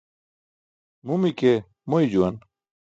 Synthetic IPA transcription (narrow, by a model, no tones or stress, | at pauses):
mumike | moid͡ʑuwɐn